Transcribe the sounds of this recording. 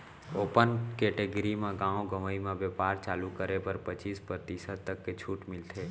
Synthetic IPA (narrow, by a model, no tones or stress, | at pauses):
oːpənkɛʈeɡɾimãɡãõɡəʋəimãʋepaːɾt͡ʃaːlukəɾepəɾpət͡ʃispɾət̪isət̪t̪ːəkːet͡ʃʰuʈmɪlt̪ʰe